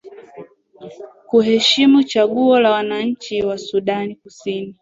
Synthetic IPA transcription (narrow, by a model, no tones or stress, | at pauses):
kuɦɛʃimut͡ʃaɠuɔlawanaɲ̩t͡ʃiwasuɗanikusini